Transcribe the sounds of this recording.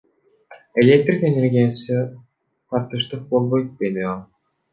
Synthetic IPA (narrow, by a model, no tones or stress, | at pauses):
elʲek̚t̪rʲikenʲeɾɡʲijasi | qɑɾt̪ɯʃt̪ɯq̚bolˠbojt̪̚d̪eniolˠ